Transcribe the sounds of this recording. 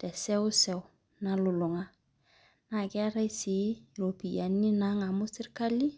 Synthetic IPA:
tɛ˨sɛ˦ʊ˦sɛ˨ʊ˨ | na˨lʊ˨lʊ˨ŋa˦ | na˨kɛ˦a˦ɾa˦jsi˨˦˨ɾo˨pi˨ja˨ni˦na˦ŋa˨mʊ˦sɪ˦ɾka˦li˦

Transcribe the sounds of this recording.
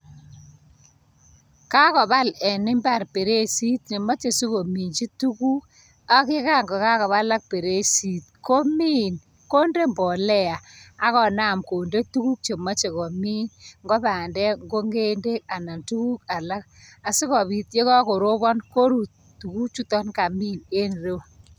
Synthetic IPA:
ka˦kɔ˨ba˦lɛ˨nɪ˦mba˦˨ɾpe˨ɾe˦si˦t̚ɲe˨ma˦t͡ʃe˨si˦ko˨mi˨ɲt͡ʃi˦tu˦ku˦ | a˦kɪ˦ka˦ŋɡɔ˨ka˦kɔ˨βa˦la˦k̚pe˨ɾe˦si˨t̚ko˦mi˦n | ko˦nde˦mbɔ˨lɛ˦a˨a˦kɔ˨na˦˨mko˨nde˦tu˦ku˦k̚t͡ʃe˨ma˦t͡ʃe˨kɔ˨mi˦nŋɡɔ˦ba˨ndɛ˦ŋɡo˦ŋɡe˦nde˦ka˨na˨ntu˦ku˦ka˨la˦k̚a˨si˦kɔ˨bi˨tje˦kɔ˦ko˨ɾo˦bɔ˦nko˦ɾu˨t | tːu˨ku˦t͡ʃu˦tɔ˦nka˨mi˦˨ne˦nre˦

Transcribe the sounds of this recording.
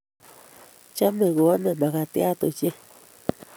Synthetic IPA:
t͡ʃa˦mẽ˨ɣu˧˨a˦nẽ˧˨mã˨ɣa˧t̪i˦a˦t̪u˧t͡ʃi˦

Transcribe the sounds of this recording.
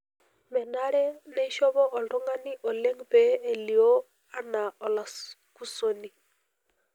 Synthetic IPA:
mɛ˨na˦ɾɛ˦nɛ˦ʃɔ˦βɔ˦ʔɔ˨ndɔ˦ŋa˦ni˦ʔɔ˨lɛ˦ŋpe˨˦e˨li˨o˦ | a˦na˨ɔ˨la˨sku˦so˨ni˨

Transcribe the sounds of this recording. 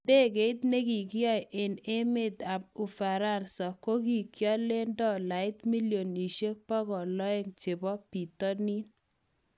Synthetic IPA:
de˦˨k̬e˨ɪ˦t̪ne˦ɡi˨ɡjɔ˦jʔe˨ne˦mɪ˦˨t̪a˨p̚ʊ˨fa˨ɾa˦˨nsa˨ko˦ki˨kjɔ˦le˦ndɔ˦la˨ɪ˦t̪mi˦ljo˨ni˨ʃe˦pɔ˦ɡɔ˨lɔ˦ɪ˦ŋt͡ʃe˨bɔ˦pi˨t̪ɔ˦ni˦n

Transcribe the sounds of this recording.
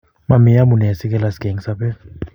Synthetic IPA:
ma˨mi˨ja˦mu˨nɛ˨a˨si˦k̬ɛ˦la˨si̥˦ɡ̥ʱe˨ŋi˨sapɛ˦

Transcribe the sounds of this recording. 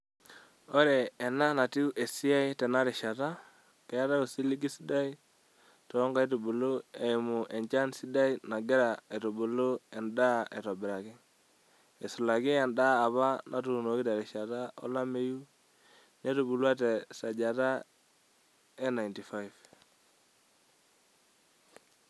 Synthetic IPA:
ɔ˦ɾɛː˨na˦na˨ti˦u˦ʔe˨si˦a˦i˦tɛ˨na˦ɾɪ˨ʃa˨ta˦ | kɛ˨a˦ta˦o˨si˦li˦ɡi˦si˦da˦i˦ | tɔ˨˦ŋɡa˦i˦tu˨bu˨lo˦e˨mu˨ʔɛ˨nt͡ʃa˦nsi˦da˦i˦na˨ɡɛ˦ɾa˨e˨to˨bu˨lo˦ɛ˨nda˦ʔe˨tɔ˨bɪ˨ɾa˨kɪ˦ | ɛ˨su˨la˨kɪ˦ɛ˨ndaː˦˨βa˦na˨tu˨no˨ki˦ta˨ɾɪ˨ʃa˨ta˦ɔ˦la˦me˦ju˦ | ne˦tu˨bu˨lwa˦t̬ɛ˨sa˨d͡ʒa˨ta˦ | ɛ˦na˨jnti˨fa˦jv

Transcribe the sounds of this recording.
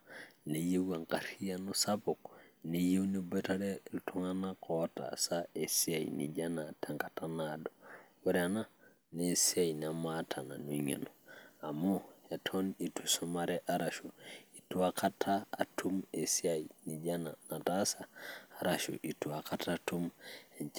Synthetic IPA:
ne˨je˦ɡa˨ŋka˨ɾi˦ja˦no˦sa˦bo˨kne˨je˦ni˦be˦ta˦ɾeɾu˨tʰu˦ŋa˦nakʰota̰sae˨si˦a˨ḭnḭɟanatʰa˦ŋkḁ˨tanado̥we˦ɾana˦ | ne˦si˦a˨jna˨matʰa˨na˨nu˨i˦ŋḛ˨no˨a˨mo˦ja˨tʰo˦ni˨tusoma˦ɾeʔa˦ɾa˨ʃu˨i˨tu˦aka˦tʰa̰ː˦˨tʰu˦me˨si˦ajni˨ɟa˦nana˨ta˦saː˨ɾaʃṵ˨ʔi˨tu˨a˨ka˦tatu˦me˨ɲ

